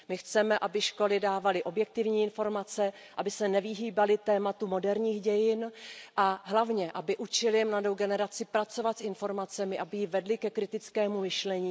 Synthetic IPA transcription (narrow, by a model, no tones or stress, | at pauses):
mɪxt͡sɛmɛʔabɪʃko̞lɪdaːvalɪʔo̞bjɛk̚t̪ɪvɲiːɪnfo̞ɾmat͡sɛ | ʔabɪsɛnɛvɪɦiːbalɪt̪ɛːmat̪umo̞dɛɾɲiːxɟɛjɪnʔaɦlavɲɛʔabɪʔut͡ʃɪlɪmladowɡɛnɛɾat͡sɪpɾat͡so̞vat̪sɪnfo̞ɾmat͡sɛmɪʔabɪjivɛdlɪkɛkɾɪt̪ɪt͡skɛːmumɪʃlɛɲiː